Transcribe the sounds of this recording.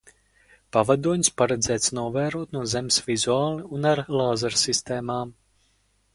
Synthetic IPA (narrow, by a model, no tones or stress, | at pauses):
pavad̪uɔɲspaɾɛd̪zɛːt̪snuɔvæːɾuɔt̪nuɔzɛmsvizuaːlˠiunaɾlˠaːzaɾsist̪eːmaːm